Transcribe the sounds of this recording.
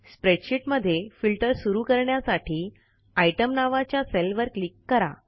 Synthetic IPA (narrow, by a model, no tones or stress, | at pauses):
spɾeʈɕiʈməd̪ʱːjefilʈəɾsuɾuːkəɾɳjasaʈʰiː | aiʈəmnaʋat͡ɕjaselʋəɾklikːəɾa̰